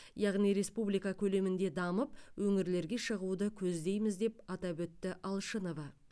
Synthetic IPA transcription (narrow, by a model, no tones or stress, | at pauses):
jɑʁnijɾe̞spublijkɑkʲʰɵle̞mɪnd̪e̞d̪ɑməp̚wɵŋɪɾle̞ɾɡʲe̞ʃəʁud̪əkʲʰɵzd̪e̞jmɪzd̪e̞p̚ɑt̪ɑbɵt̪ːɪʔɑlˠʃəno̞vɑ